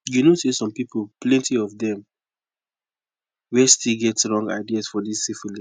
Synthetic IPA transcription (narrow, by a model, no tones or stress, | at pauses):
junosesɔ̃mpipʰolplɛ̃ntiɔvdɛ̃m | wɛstilɡɛtsɹɔ̃ŋɡa̰ɪdiasfɔdissifuli